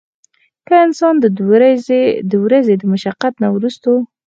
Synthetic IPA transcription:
kəɪnsɑnd̪ə | d̪əwɾazed̪əmʊʃaqːat̪nawɾust̪o

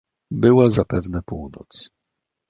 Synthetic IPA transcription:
bɘwazapɛvnɛpuwnɔ̰t̪s

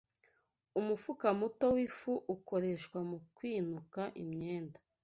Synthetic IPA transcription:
umufukamuto̞wifuʔuko̞ɾe̞ʃkwamukwiːnukaʔḭmɲe̞ːndḁ

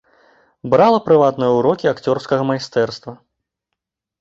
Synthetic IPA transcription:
bɾalˠɐpɾɨvat̪nɨjɐuɾɔkʲiakt͡sʲɔrskɐɣɐmajst̪ɛrst̪vɐ

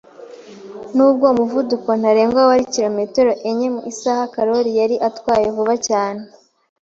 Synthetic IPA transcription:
nuːb̚ɡo̞muvuduko̞n̥aɾe̞ːŋɡwaoaɾiciɾo̞me̞teɾo̞ʔeɲe̞muʔisahakaɾo̞ɾijaɾiʔatkwaːjevuβacaːne

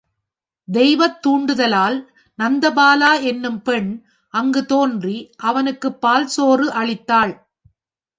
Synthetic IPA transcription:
d̪ɛjʋɐt̪ːuːɳɖɯðɐlaːl | nɐnd̪ɐbaːlaːɛnːɯmpɛɳ | ʔɐŋɡɯt̪oːndriʔɐʋɐnɯkːɯpːaːlsoːrɯʔɐɭɪt̪ːaːɭ

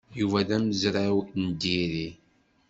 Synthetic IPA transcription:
juvæðæməzɾawnd̪iɾi

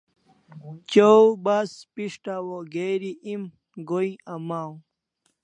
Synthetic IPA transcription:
t͡ɕowbaspiʂʈawoɡeɾiʔim | ɡoĩɐmaːw̃

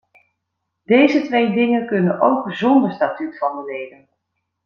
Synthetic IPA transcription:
dejzətʋejdɪŋənkɵnənʔowkzɔndəɹstatytfɑndəlejdən

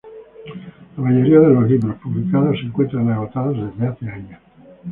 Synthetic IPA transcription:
lamaʎoɾiaðelozlibɾospublikaðosiŋkwent̪ɾanaɣot̪aðozd̪emat̪eaɲa

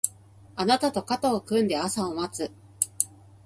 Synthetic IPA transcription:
anat̪at̪o̞kat̪aːkɯ̟̃nd̪e̞asaomat͡sɨ

